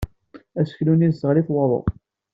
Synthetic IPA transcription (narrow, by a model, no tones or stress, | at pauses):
æsə̥çlunizəʁliθwəðˤo̰